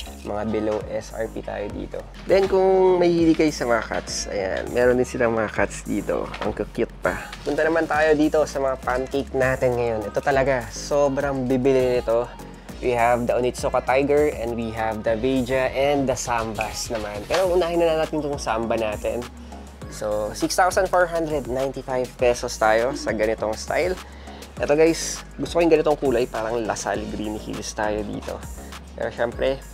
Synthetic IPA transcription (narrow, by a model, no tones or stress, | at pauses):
mɐŋabɛlowʔɛsʔɐ̰ɹpḭt̪ʰa̰ːjod̪ḭːt̪o̞̰ | d̪ɛnkʊŋmɐhilɪɡajsɐmɐŋaka̰t̪sɐ̰ja̰nmʔɛːɾond̪ɪnsɪlaŋmɐŋɐkat̪̚sd̪iːt̪o̞̰ʔɐ̰ŋkɐkɪt̪̚pɐ | pʊnt̪ɐnɐmant̪aːjo̞d̪iːt̪o̞sɐmɐŋapankek̚naːt̪ɪnŋɐjo̞nʔɛt̪o̞t̪ɐlɐɡasoːbɾɐŋbɪbɪlɪnnɪt̪o̞ | wʔihɐvd̪ɐʔʊnɪt̪sokɐt̪ajɡɛɹʔɛnd̪wiɦɐvd̪ɐvejd͡ʒɐʔɛnd̪ɐsambɐsnɐmanpɛːɾoʔʊnaːhɪnːɐnɐnat̪ɪnɪt̪oŋsambɐnaːt̪ɛ̰n | sosikst̪awsɐnfoɹɦand̪ɾɛd̪̚najnt̪ifajvpɛsost̪aːjo̞sɐɡɐnɪt̪o̞ŋst̪a̰jl | ʔɛt̪oɡajsɡʊst̪okojŋɡɐnɪt̪o̞ŋkuːlajpaːɾɐŋlɐ̰sa̰lɡɾiːnɪhḭlst̪aːjo̞d̪ḭːt̪o̰ | pɛ̰ːɾoʃɛmpɾɛ